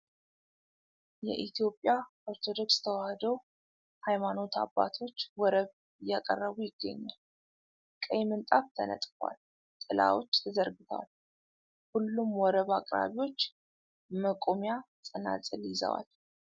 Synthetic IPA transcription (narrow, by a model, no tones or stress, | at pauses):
jɛ̰ʔit̪ʰijo̞pʼːja | oɾt̪ʰo̞d̪o̞kst̪ʰəwahəd̪əw | hajmano̞t̪ʰa̰bːa̰t̪ʰo̞t͡ʃːwɔɾəβ | jakʼərːəβujɪɡ̥ːə̰ɲːa̰l | kʼəjmɨnt̪ʼaft̪ʰənə̰t̪ʼfwa̰l | t̪ʼɨla̰wo̞t͡ʃːt̪ʰəzəɾɡɨt̪ʰəwa̰l | hulːumwɔɾəβakʼɾa̰βiwo̞t͡ʃː | məkʼomja | sʼəna̰t͡sʼɨlizə̰wa̰l